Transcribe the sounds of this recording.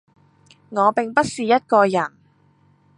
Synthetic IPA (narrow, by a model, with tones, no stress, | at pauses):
ŋɔː˨˧pɪ˨ŋpɐ˥t̚siː˨jɐ˥t̚kɔː˧jɐ˨˩n